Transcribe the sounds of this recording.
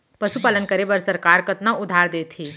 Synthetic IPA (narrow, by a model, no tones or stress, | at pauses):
pɐʃupaːlənkəɾebəɾsɐɾkaːɾkət̪naʊd̪ʱaːɾd̪eːt̪ʰiː